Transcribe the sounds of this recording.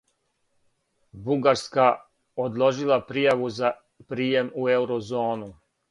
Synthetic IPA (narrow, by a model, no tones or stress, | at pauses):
buɡaɾska | od̪lˠo̞ʒilˠapɾijaʋuza | pɾiːjemueuwɾozo̞ːnu